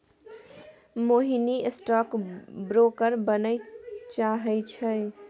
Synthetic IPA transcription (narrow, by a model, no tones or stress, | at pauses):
moɦiniesʈɔkbɾokəɾbənəjt͡ʃaɦɛɪt͡ʃʰəj